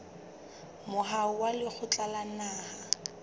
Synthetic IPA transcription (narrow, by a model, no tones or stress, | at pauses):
mʊɦaʊwalɪk͡xʰʊt͡ɬʼalanaːha